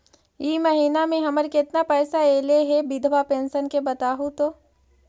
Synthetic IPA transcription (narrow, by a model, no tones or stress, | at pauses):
jiːmɐɦiːnamẽɦɐməɾkɪt̪napɛːsaeːleɦɛbɪd̪ʱbapẽːnsənkebɐt̪aːɦut̪oː